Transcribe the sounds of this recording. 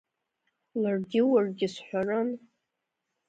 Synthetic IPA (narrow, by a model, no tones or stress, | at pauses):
larɡʲɪwarɡʲɪsħʷarɨn